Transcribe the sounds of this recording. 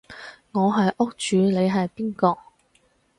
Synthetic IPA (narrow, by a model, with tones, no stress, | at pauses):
ŋɔː˨˧ɦɐ˨jʔʊ˥k̚t͡ʃyː˨˧le˨˧jɦɐ˨jpiː˥nkɔː˧